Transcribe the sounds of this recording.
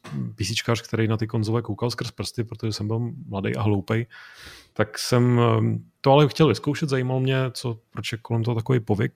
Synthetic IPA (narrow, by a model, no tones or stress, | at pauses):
pisɪt͡ʃkaːrk̚t̪ɛɾɛjnat̪ɪkonzovɛkowkalˠskr̩spr̩st̪ɪpɾot̪oʒɛsɛmbɪlmladḛjʔaɦlowpɛjt̪aksɛmt̪oalɛxcɛlvɪskowʃɛt̪zajiːmalomɲɛt͡sopɾot͡ʃjɛkolɛmt̪oɦot̪akovejpovɪk̚